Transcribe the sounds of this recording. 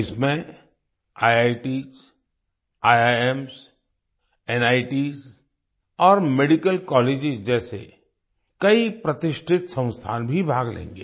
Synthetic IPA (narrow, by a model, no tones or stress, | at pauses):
ɪsmẽ | aːjaːiʈiːz | aːjaːems | ɛːnaːɪʈiːz | ɔːɾmeɖikəlkɔːleːd͡ʒɪzd͡ʒɛːsḛ | kɐipɾɐt̪ɪʃʈʰɪt̪sɐ̃w̃st̪ʰa̰ːnbʱibʱaːɡlḛ̃ːŋɡḛː